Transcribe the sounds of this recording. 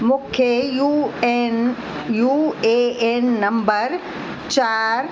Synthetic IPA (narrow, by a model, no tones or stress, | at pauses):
mũːkʰejun | jueenːɐ̃mbəɾ | t͡ɕaːɾ